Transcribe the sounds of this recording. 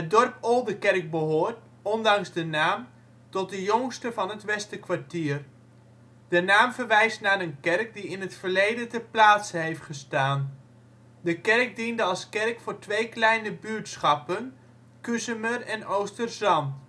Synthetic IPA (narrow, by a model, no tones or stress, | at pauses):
ɦət̚dɔrpolˠdəkɛrk̚bəɦoːɹt | ɔndɑŋzdənaːm | tɔt̚dəjoŋstəvɑnɦətʋɛstəkʋaɹtiːər | d̥ənaːmvərʋɛjstnaːɾənkɛrk̚diɪnɦətfərlejdətəplaːtsəɦejftχəstaːn | dəkɛrk̚dindəɑlˠskɛrkfʊːɹtʋejklɛjnəbytsχɑpən | kysəmərɛnowstərzɑnt